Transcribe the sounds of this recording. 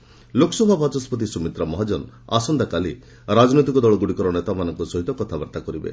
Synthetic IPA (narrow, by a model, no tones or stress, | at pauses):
lokʰɔ̥sɔbʱabʱat͡ʃɔspʰɔt̪̬isumit̪ɾɔmɔɦad͡ʒɔn | a̰sɔnd̪akali | ɾad͡ʒɔnit̪ikɔd̪ɔɭɔɡuɽikɔɾɔnet̪amanɔŋkusɔɦit̪ɔkɔt̪ʰabaɾt̪akɔɾibḛ